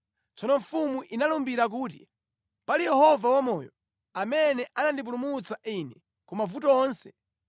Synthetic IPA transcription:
t͡sɔnɔɱfumuʔinalumbiɾak̬uːt̬ḭ | palijɛhɔvawamɔːjɔ | amɛnɛʔanandip̬ulumut͡saʔinɛ | kumavutɔɔːnsɛ

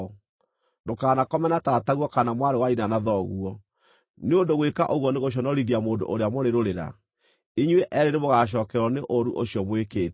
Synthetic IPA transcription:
ndokaːnakɔmɛnatataɣwɔkanamwaɾewainanaðɔɣuɔ | neondoɣwekaʔoɣwɔneɣoɕ̬ɔnɔɾiðiamoːndo̰ʔoɾeamoɾeɾoɾeɾa̰ | iɲweʔɛɾenemoɣaʃ̬ɔːkɛɾwɔneʔoɾuʔoɕiɔmwekeːt

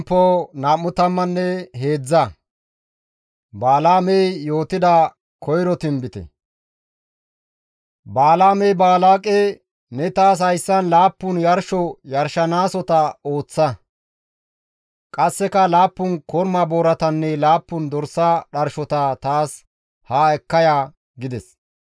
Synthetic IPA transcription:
pːɔnaːmːʊt̪ɐmːɐnːɛɦe̞ːd͡zːɐ | baːlaːmɛjjo̞ːt̪ɪd̪ɐ | kʰɔjɾɔt̪ɪmbɪt̪ɛ̰ | baːlaːmɛjbaːlaːkʼɛ | nɛt̪aːs̬hɐjsːɐnlaːpːʊnjɐɾʃɔjɐɾʃɐnaːsɔt̪ɐo̞ːt͡sːɐ | kʼɐsːɛkɐlaːpːʊnkɔɾmɐboːɾɐt̪ɐnːɛlaːpːʊnd̪ɔɾsːɐɗɐɾʃɔt̪ɐt̪aːs | haɛkːɐjaː | ɡɪd̪ɛs

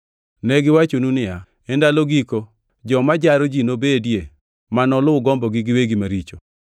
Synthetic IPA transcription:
nɛɡɪwat͡ʃonunɪja | ɛndaloɡiko | d͡ʒɔmad͡ʒaɾod͡ʒinobedje | manɔlʊʊɡɔmbɔɡɪɡɪweɡimaɾit͡ʃo̰

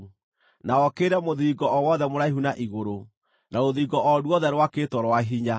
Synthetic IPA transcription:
naɔkeɾɛmoðiːɡɔʔɔwɔðɛmoɾaiɦunaʔiɣoɾo | naoðiːɡɔʔɔdwɔðɛɾwaketɔɾwaɦiɲa

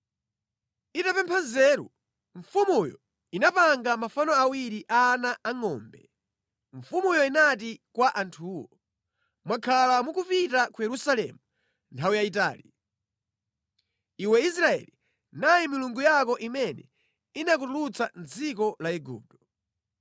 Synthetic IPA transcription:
itapɛmpʰanzɛːɾṵ | ɱfumujɔ̰ | inapaŋɡamafanɔawiɾiʔanaaŋɔ̰ːmbɛ | ɱfumujɔinatikwaʔantʰuːwɔ | mwakʰalamukupitakujɛɾusalɛ̰mu | ntʰawujait̬a̰ːlḭ | iwɛis̬ɾaɛ̰li | najimiluŋɡujakɔʔimɛnɛ̰ | inak̬utulut͡sand͡zikɔlaɛɡṵp̚tɔ̥

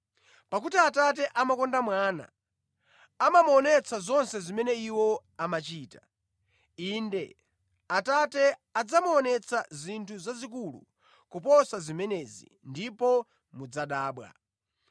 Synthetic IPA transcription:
pak̬utiatat̬ɛʔamakɔndamwaːna̰ | amamuɔnɛt͡sʰazɔnsɛzimɛnɛiwɔ | amat͡ʃiːta | indɛ | atatɛad͡zamuɔnɛt͡sʰazintʰuzazik̬ulṵ | kupɔsazimɛnɛːzḭndipɔ | mud͡zaɗaːɓwa̰

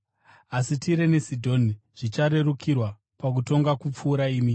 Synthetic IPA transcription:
asitiɾe̞nesidʱo̞niʐ̥it͡ʃaɾe̞rukʰirwa | pak̬uto̞ŋɡakup͡fuːɾaiːmi

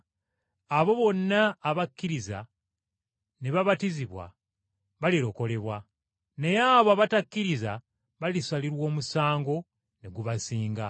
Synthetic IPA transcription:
aβo̞βo̞nːaːβakːiɾiza̰ | neβaβatiziβwa̰ | βaliɾo̞ko̞le̞βwa | ne̞jaβoaβatakʲːiɾiza | βalisaliɾwo̞ːmusaːŋɡo̞ | neɡuβasiːŋɡa

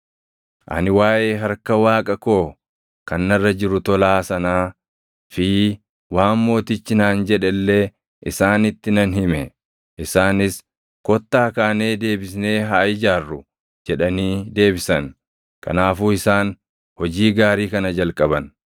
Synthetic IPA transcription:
ʔɐ̰nɪwaːʔe̞ːɦɐɾkɐwaːkʼɐko̞ː | kɐnːɐrːɐd͡ʒɪɾʊt̪ɔlaːsɐnaː | fiː | waːmːo̞ːt̪ɪt͡ʃːɪnaːnd͡ʒɛᶑɛlːeː | ʔɪsaːnɪt̪ːɪnɐnɦɪmɛ | ʔɪsaːnɪs | kɔt̪ːaːkaːne̞ːd̪e̞ːbɪsne̞ːɦaːʔɪd͡ʒaːrːʊ | d͡ʒɛᶑɐniːd̪e̞ːbɪsɐn | kʰɐ̰naːfuːɪsaːn | hɔd͡ʒiːɡaːɾiːkɐnɐd͡ʒɐlkʼɐbɐn

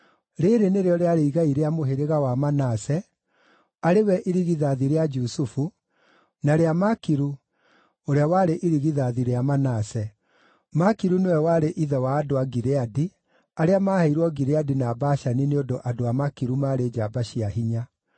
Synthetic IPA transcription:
ɾeɾeneɾeɔɾeaɾeiɣaiɾeamoɦeɾeɣawamanasɛ | aɾewɛʔiɾiɣiðaðiɾead͡ʒusufu | naɾeamakiɾu | oɾeawaɾeʔiɾiɣiðaðiɾeamanasɛ | makiɾunewɛwaɾeʔiðɛwaːdoaɡiɾeadi | aɾeamahaiɾwɔɡiɾeadinaːbaʃanineodoʔadoamakiɾumaːɾed͡ʒabaɕiaɦiɲa

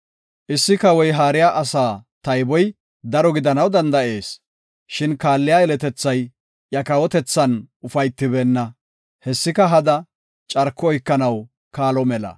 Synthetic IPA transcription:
ʔɪsːɪkɐwɔjɦaːɾɪjaːʔɐsaːt̪ɐjbɔj | d̪ɐɾɔɡɪd̪ɐnɐwd̪ɐnd̪ɐʔe̞ːs | ʃɪnkaːlːɪjaːɛlɛt̪ɛt͡sːɐj | jɐkɐwɔt̪ɛt͡sːɐnʊfɐjt̪ːɪbɛːnːɐ | hɛsːɪkɐɦɐd̪ɐ | t͡ʃʼɐɾkːɔɔjkːɐnɐw | kaːlɔmɛlɐ̰

